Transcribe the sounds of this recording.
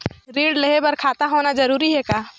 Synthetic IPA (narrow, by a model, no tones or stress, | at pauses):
ɾiːɖleɦebɐɾkʰaːt̪aɦoːnad͡ʒɐɾuːɾiɦɛkaː